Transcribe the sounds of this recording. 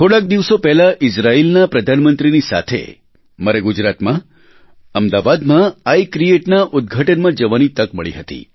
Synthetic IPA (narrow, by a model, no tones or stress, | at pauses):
t̪ʰoɽak̚d̪iʋsopɛɦlaʔɪsɾailnapɾəd̪ʱanmənt̪ɾinisa̰t̪ʰḛ | məɾeɡud͡ʒɾat̪mã | əmd̪aʋad̪mãajkɾieʈnaʔʊd̪̚ɡʱaʈənmãd͡ʒəʋanit̪əkməɭḭɦət̪ḭ